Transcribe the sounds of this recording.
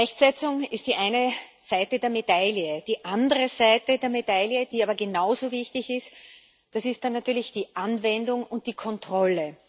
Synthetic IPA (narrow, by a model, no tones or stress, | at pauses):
ʁɛçtz̥ɛt͡sʊŋɪst̚d̥iːʔaɪnəz̥aɪtədeːɐmedaljəd̥iːʔandəʁəzaɪtədeːɐmedaljəd̥iːaːbɐɡenaʊzoːvɪçtɪçɪst | d̥asɪstd̥anːatyːɐlɪçd̥iːʔanvɛndʊŋʊnt̚d̥iːkʰɔntʁ̥ɔlə